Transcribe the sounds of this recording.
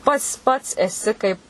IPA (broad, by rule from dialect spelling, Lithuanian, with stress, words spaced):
ˈpɐts ˈpɐts ɛˈsʲɪ kɐɪp